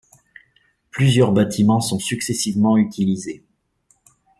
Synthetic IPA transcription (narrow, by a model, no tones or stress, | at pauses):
plyzjœʁbat̪ʰimɑ̃sɔ̃syksɛsivmɑ̃yt̪ʰilize